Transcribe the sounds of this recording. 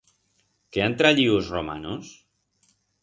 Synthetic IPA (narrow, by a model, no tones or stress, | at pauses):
keant̪ɾaʎiuzroma̰nus